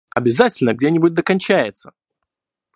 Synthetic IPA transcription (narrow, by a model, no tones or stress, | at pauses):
ɐbʲɪzatʲɪlʲnəɡ̚dʲenʲɪbʊt̚ʲd̪əkɐnʲt͡ɕæjɪt̪sə